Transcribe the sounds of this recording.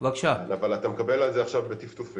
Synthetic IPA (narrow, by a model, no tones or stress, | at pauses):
vakʃanavalat̪amekabe̞lalzeaχʃavbet̪ift̪ufi